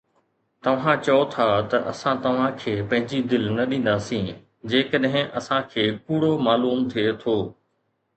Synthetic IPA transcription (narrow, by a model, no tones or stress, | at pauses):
t̪ɐʋ̤ãt͡ɕɐot̪ʰat̪ɐʔɐsãt̪ɐʋ̤ãkʰeːpɐ̃ɦɪ̃ɲd͡ʑid̪ɪlnɐɗĩːn̆d̪aːsĩː | d͡ʑeːkəɗɦɪ̃ʔɐsãkʰeːkuːɽomaːluːmt̪ʰiet̪ʰoː